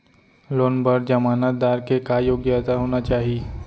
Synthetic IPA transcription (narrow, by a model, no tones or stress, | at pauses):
lonbəɾd͡ʑəmanat̪̚d̪aɾkekajoɡjəət̪aɦoñat͡ɕaɦi